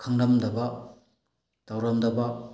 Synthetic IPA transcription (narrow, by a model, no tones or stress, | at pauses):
kʰɐŋdɐmdɐbɐ | tawɾɐmdɐbɐ